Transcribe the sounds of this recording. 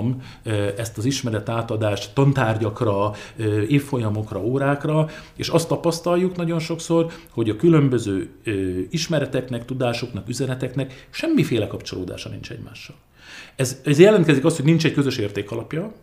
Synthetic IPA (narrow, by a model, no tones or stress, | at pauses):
m | ɛst̪ɒziʃmɛɾɛt̪aːt̪ɒd̪aːʃt̪t̪ɒnt̪aːrɟɒkrɒøːeːfːo̞jɒmo̞krɒoːɾaːkrɒeːʃɒst̪ːɒpɒst̪ɒlːuknɒɟo̞nʃo̞kso̞rho̞ɟɒkylø̞mbø̞zøːøiʃmɛɾɛt̪ɛknɛkt̪ud̪aːʃo̞knɒkyzɛnɛt̪ɛknɛkʃɛmːifeːlɛkɒpt͡ʃo̞loːd̪a̰ːʃɒnḭnt͡ʃɛ̰ɟma̰ːʃːɒl | ɛzɛzjɛlɛnt̪kɛzikɒst̪hoɟnint͡ʃɛc̚køzø̞ʃeːrt̪eːkɒlɒpjɒ